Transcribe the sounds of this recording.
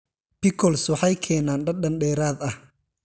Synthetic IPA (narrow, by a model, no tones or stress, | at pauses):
pɪkʰɔlswɑħɑjkʰɛːnaːnɖɐɗɐnɖɛːɾaːd̪ɐh